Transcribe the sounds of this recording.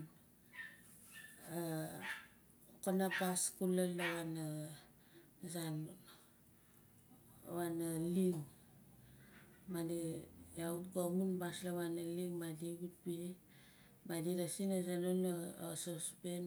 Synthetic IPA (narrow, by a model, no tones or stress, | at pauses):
a | okanapaskulalːaβana | zan | βanaliŋ | madijautkomunbaslaβanaliŋmadiɡut̚pi | madiɾasinazanonasospen